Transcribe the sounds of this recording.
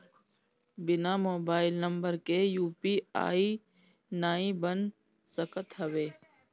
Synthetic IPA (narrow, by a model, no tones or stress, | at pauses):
bɪnaːmoːbaːɪlnə̃mbəɾkejuːpia̰ːiː | naːĩbən | səkət̪ɦəʋeː